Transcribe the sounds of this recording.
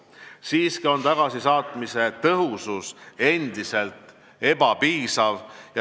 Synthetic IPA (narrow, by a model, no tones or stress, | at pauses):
siːskio̞nt̪ɑɡ̥ɑsisɑːt̪mise̞t̪ɤɦususe̞nd̪ise̞lt̪ˑ | e̞bɑpiːsɑvjɑ